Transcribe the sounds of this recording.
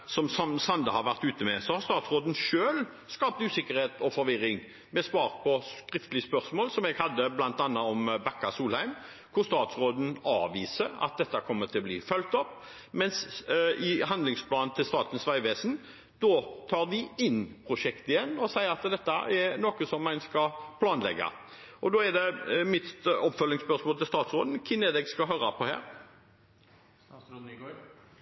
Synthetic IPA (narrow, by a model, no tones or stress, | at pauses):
sɔmsɑmsɑnd̪əhɑʋæʁt̪ʉːt̪əmɛsɔhɑʁst̪ɑːt̪sʁoːd̪n̩ʃøːl | skɑːp̚t̪ʉːsɪkːəʁheːt̪ɔfɔɾʋɪɾːɪŋ | mɛsʋɑːʁpʰɔskɾɪft̪əlɪəspœɾsmoːlsɔmɛɡhɑd̪ːəblɑnt̪ɑnːɑɔmbækːɑsuːlhæɪm | kʰʊɾst̪ɑːt̪sʁoːd̪n̩ɑːʋiːsəɑ̰t̪̚d̪ɛt̪ːɑkʰɔmːət̪ʰɪlɔbliːfœlt̪ɔpː | mɛnsɪɦɑnd̪lɪŋspʰlɑːnnt̪ʰɪlst̪ɑːt̪n̩sʋæɪʋeːsn | d̪ɔt̪ʰɑːʁd̪ɪɪnpʰʁʊʂɛkt̪əɪjɛnːɔsæɪəɾɑt̪d̪ɛt̪ːəɛnoːkəsɔmːɛɪnskɑpʰlɑːnlɛ̰ɡːɑ̰ | ʔɔd̪oːɛd̪ɛmɪt̪ɔpːfœlːɪŋspœʂmoːlt̪ʰɪlst̪ɑːt̪sʁoːd̪n̩kʰɪnɛːd̪ɛɡskɑɦœːɾɑpʰɔhæ̰ːɾ